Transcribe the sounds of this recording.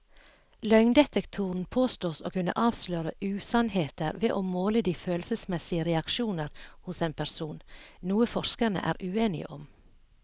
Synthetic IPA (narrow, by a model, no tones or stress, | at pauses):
lœʏŋd̪ɛt̪ɛkt̪ʰuːɾn̩pʰoːst̪oːso̰ːkʉnə̰ʔɑːʋsløːɾəʔʉːsɑnheːt̪əɾʋeːʔoːmoːləd̪iːføːlsəsmɛsɪəɾɛɑkʃuːnəɾhʊseːnpʰæɾsuːnnuːəfɔɾskənə̰ʔæ̰ːɾʔʉːeːnɪ̰ə̰ʔɔm